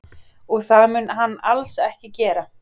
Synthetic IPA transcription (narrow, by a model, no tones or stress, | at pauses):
ɔɣθaðmʏnɦanːalsɛhcɪcɛːɾa